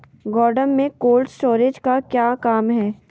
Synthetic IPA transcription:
ɡɔːɾɖənmẽkoːlɖsʈoːɾed͡ʒkakjaːkaːmɦɛː

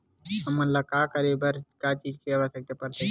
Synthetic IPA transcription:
ɦəmənləkaːkəɾiːbəɾkaːt͡ʃiːd͡ʒkiəʋəsjək̚t̪epəɾt̪e

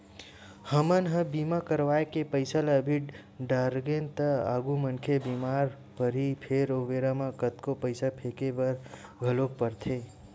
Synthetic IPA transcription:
həmənɦə̃bimakəɾʋaːekepəɪsələbʱiʈ | ɖaɾɡent̪əa̰ɡumənkʰebimaɾ | pəɾipʰeɾoʋeɾamãkət̪kopəɪsapʰekebəɾɡʱəlok̚pəɾt̪ʰe

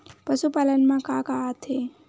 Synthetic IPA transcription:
pəsupaːlənmãkakat̪ʰe

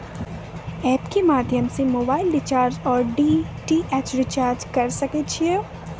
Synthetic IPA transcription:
ɛːpkemaːd̪ʱjəmsemoːbaːɪlɖɪt͡ʃaːɾd͡ʒɔːɾɖiːʈiʔɛːt͡ʃɾɪt͡ʃaːɾd͡ʒkɐɾsɐkeːt͡ʃʰie

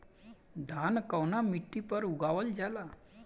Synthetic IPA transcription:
d̪ʱankəwnamiʈːipəɾuɡaʋəld͡ʑala

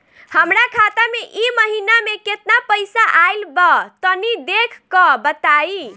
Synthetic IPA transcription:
həmɾakʰat̪ameʔiməɦinameket̪napəjsaʔajlbət̪ənid̪ekʰkɔbət̪ai

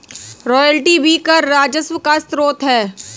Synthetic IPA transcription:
ɾɔːjəlʈibʱikɐɾːaːd͡ʒəswəkast̪ɾoːt̪ɦɛː

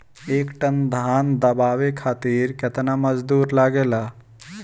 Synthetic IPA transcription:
eːkʈənd̪ʱaːnd̪əbaːʋekʰaːt̪iːɾket̪naməd͡ʒd̪uːɾlaɡeːlaː

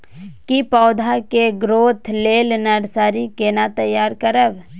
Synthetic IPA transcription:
kipɔːd̪ʱakeɡɾoːt̪ʰleːlnəɾsaːɾikenat̪əjːaːɾkəɾəb

